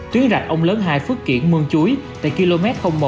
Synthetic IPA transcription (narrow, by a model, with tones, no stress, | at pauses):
t̪wi˨˦ənza˨˩k̚ʔə˧wŋ͡mləː˨˦nɦaː˧jfɨ˦˥ək̚kḭ˧˩ənmɨ˧əŋt͡ɕu˨˦jt̪a̰ː˧˨jki˧lo˧mɛ˦˥t̚xə˧wŋ͡mmo˨˩